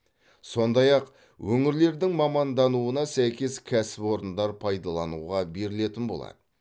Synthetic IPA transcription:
so̞nd̪ɑjɑq | wɵŋɪɾle̞ɾd̪ɪŋmɑmɑnd̪ɑnuənɑsæjkʲe̞skʲʰæsɪpwo̞ɾənd̪ɑɾpʰɑjd̪ɑlˠɑnṵʁɑbe̞ɾɪle̞t̪ɪnbo̞lˠɑ̰d̪̥ə

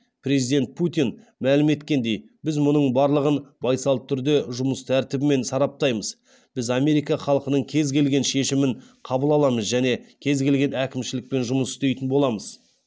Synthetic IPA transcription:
pɾe̞zijd̪e̞nt̪̚pʰut̪in | mælɪme̞t̪kʲe̞nd̪e̞j | bɪzmʊnəɴbɑɾlˠəʁənbɑjsɑl̚ˠt̪ʰːʏɾd̪e̞ʒʊməst̪ʰæɾt̪ɪbɪme̞nsɑɾɑp̚t̪ɑjməz | b̥ɪzɑme̞ɾijkɑχɑlˠqənəɴkʲʰe̞zkʲe̞lɡʲe̞nʃe̞ʃɪmɪɴqʰɑbəlˠɑlˠɑməzʒæne̞kʲʰe̞zɡʲe̞lɡʲe̞nækʲɪmʃɪlɪk̚pe̞nʒʊməsɪst̪e̞jt̪ɪnbo̞lˠɑməz

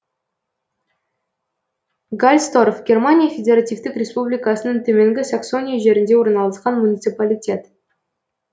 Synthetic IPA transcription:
ɡalʲst̪o̞ɾofɡʲe̞rmanʲijafʲedʲeɾat̪ʲijft̪ɪkrʲe̞spublʲijkɑsənəŋt̪ʰɵmeŋɡʲɪsakso̞nʲijaʒe̞ɾɪnd̪e̞wo̞ɾənɑlˠəsqɑnmunʲit̪sɨpalʲitʲe̞t̪

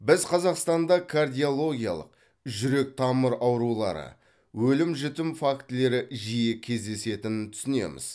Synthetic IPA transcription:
bɪzqʰɑzɑqst̪ɑnd̪ɑkʰard̪ijo̞lˠo̞ɡʲijɑ̰lˠə̰q̚ | ʒʏɾe̞k̚t̪ʰɑməɾɑwɾulˠɑ̰ɾə̰ | wɵlɪmʒʏt̪ɪmfakt̪le̞ɾɪʒijekʲʰe̞zd̪e̞se̞t̪ɪnɪt̪ʰʏ̥sɪne̞̰mɪ̰z̥

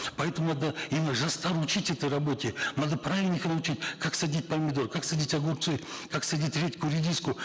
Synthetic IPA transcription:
pɐɛt̪əmʊnad̪əimʲɪnəʐɐst̪aɾut͡ʃitʲɛt̪əjɾɐbo̞tʲɪnad̪əpɾavʲɪlʲnʲɪxnɐʊt͡ʃitʲkʰaksɐdʲitʲpɐmʲɪd̪oɾkaksɐdʲitʲɐɡurp̪sɨjkaksɐdʲitʲɾʲetʲkʊɾʲɪdʲiskʊ

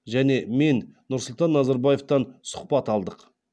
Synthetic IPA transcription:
ʒæne̞me̞nnʊɾsʊlˠt̪ɑnːɑzɑɾbɑje̞ft̪ɑnsʊ̥qpɑt̪ɑlˠd̪əq

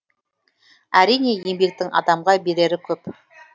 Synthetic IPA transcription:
æɾijne̞je̞mbe̞k̚t̪ɪŋɑ̰d̪ɑmʁɑbe̞ɾe̞ɾɪkʲʰɵp

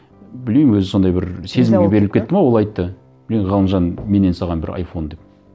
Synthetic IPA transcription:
bɪlmemmwɵzɪso̞nd̪ɑjbɪɾse̞zɪmɡʲebe̞ɾɪlɪpkʲet̪ːɪmɑwo̞lˠɑjt̪ːə | b̥ɪleʁɑlˠənʒɑnme̞ne̞nsɑʁɑnbɪ̰ɾɑ̰jfo̞nd̪e̞p̚

